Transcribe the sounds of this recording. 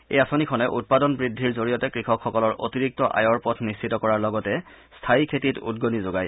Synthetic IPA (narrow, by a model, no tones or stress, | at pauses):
ejasonikʰɔnɛʔut̚padɔnbɹidʱːiɹzoɹijɔtɛkɹixɔkʰxɔkɔlɔɹʔo̰tiɹik̚tɔʔa̰jɔɹpɔtʰnissʰitɔkɔɹaɹlɔɡɔtɛ | stʰaikʰetitṵdɡonizoɡaj